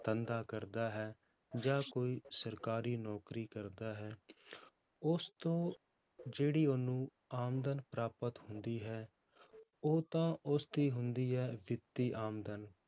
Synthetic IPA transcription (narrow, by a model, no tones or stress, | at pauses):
t̪ənd̪aːkəɾd̪aːɦɛː | d͡ʒãːkoːiːsəɾkaːɾiːnɔːkɾiːkəɾd̪aːɦɛː | ʊst̪õː | d͡ʒeːɽiːonũː | aːmd̪ənpɾaːpət̪hʊnd̪iːɦɛː | oːt̪ãːʊst̪iːɦʊnd̪iːɦɛːʋɪt̪ːiːʔaːmd̪ən